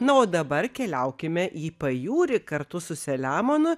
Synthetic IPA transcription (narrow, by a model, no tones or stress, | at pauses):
nʊoːd̪ɐbɐɾkʲɛlʲɛʊkʲɪmʲɛʔiːpɐjuːɾʲɪkɐɾt̪ʊsʊsʲɛlʲæːmonʊ